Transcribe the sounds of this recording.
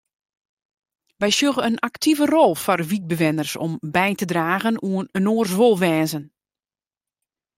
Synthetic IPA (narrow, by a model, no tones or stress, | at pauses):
ʋɛjsjøɣəənʔaktʰivərɔlˠfɔrʋit̚bəʋɪnərsɔ̰mbɛjtədraːɣənuənənoːrsʋolˠʋɛːzən